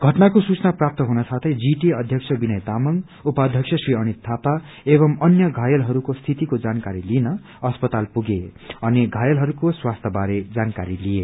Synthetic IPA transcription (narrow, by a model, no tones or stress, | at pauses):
ɡʱʌʈnakosut͡snaprap̚t̪ʌɦunʌsat̪ʰʌjd͡ziʈiʌd̪ʱjʌksʰʌbinʌjt̪amʌŋɡ | upad̪ʱjʌksʰʌsriʌñit̪ʰːapa | ebʌmʌnjʌɡʱajʌlɦʌɾukost̪ʰit̪ikod͡zankaɾilinʌ | ʌspʌt̪alpuɡeʌneɡʱajʌlɦʌɾukoswast̪ʰʌbaɾed͡zankaɾilije